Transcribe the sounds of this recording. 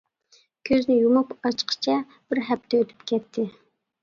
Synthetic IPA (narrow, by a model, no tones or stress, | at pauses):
kʲʰøznɪjumupɑt͡ʃqʰə̥t͡ʃʰɛ | b̥ɪɾɦɛp̚t̪ʰɛøt̪ʰy̥pkʲʰɛt̪ʰːɪ